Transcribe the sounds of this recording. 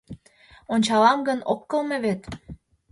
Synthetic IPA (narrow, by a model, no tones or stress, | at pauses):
onʲt͡ɕɑlɑmɡə̆nokːə̆lmĕβet̪